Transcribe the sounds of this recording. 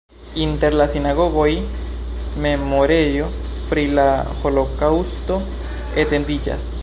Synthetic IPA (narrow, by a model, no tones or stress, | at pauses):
int̪eɾlasinaɣoɣoj | memoɾeɾjopɾilaxolokawst̪o | et̪endit͡ʃa̰s